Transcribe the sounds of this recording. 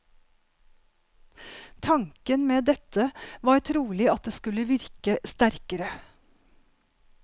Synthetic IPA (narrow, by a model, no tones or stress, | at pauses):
t̪ʰɑŋkənmeːd̪ɛt̪əʋɑːɾt̪ʰɾuːlɪɑt̪̚d̪eːskʉləʋɪɾkəst̪æɾkəɾə